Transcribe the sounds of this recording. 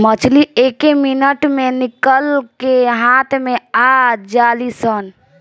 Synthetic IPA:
mət͡ʃʰliekeminəʈmenikəlkeɦat̪ʰmead͡ʒaːlisən

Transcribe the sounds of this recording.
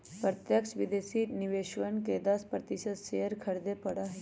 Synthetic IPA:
pɾɐt̪jəkʃʋid̪eːsiniʋeːʃʋənked̪ɐspɾɐt̪iʃəd̪ʃeɦəɾkʰɐɾd̪epɐɽaɦɛ

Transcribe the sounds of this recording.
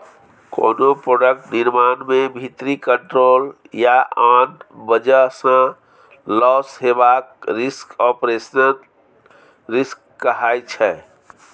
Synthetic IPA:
ko̰ːnopɾoːɖək̚ʈnɪɾmaːnmẽbʱit̪ɾikəɳʈɾoːl | jaʔaːnbəd͡ʒəsã | lɔːsɦebaːkɾɪskɔpɾesnən | ɾɪskːəɦaːjt͡ʃʰɛ

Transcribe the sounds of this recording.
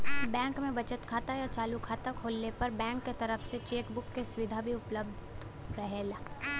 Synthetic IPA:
bɛ̃ːŋkmẽbɐt͡ʃət̪kʰaːt̪ajat͡ʃaːlukʰaːt̪akʰoːlnepɐɾbɛ̃ːŋkːet̪ɐɾəfset͡ʃeːkbʊkːesʋɪd̪ʱabʱiʊpləbd̪ | ɾɐɦeːlaː

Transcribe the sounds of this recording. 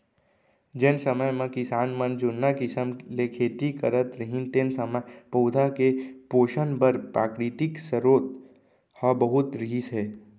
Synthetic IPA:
d͡ʒensəməjmẽkɪsaːnmə̃nd͡ʒʊnːakɪsəmlekʰeːt̪ikə̰ɾət̪ɾəɦint̪ensəməpoːd̪ʱakepoːʃənbəɾpɾaːkɾɪt̪ɪksəɾoːt̪ | hɔbəɦʊt̪ɾiːsɦɛː

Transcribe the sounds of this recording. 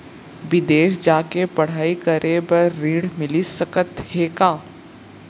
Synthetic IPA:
ʋɪd̪eːʃd͡ʒaːkepɐɽ̤aːikəɾebɐɾːiːɽmɪlisəkət̪heːkaː

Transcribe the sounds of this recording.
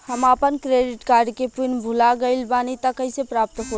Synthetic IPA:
həmapənkɾeɖiʈkaɾɖkepinbʱulaɡəɪlbanit̪əkəɪsepɾap̚t̪ɦo

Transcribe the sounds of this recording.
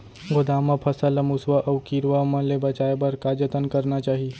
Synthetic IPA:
ɡod̪aməpʰɐsələmusʋəʔɐʋkiɾʋəmə̃nlebɐt͡ʃaebəɾkad͡ʒət̪ənkəɾnat͡ʃaːɦi

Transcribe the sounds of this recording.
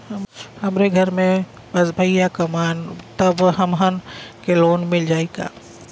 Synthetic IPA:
hɐmɾeɡʱɐɾmẽ | bɐzbʱəijakɐmaːnt̪ɐbɦɐmɦənkeloːnmɪld͡ʒaːika̰ː

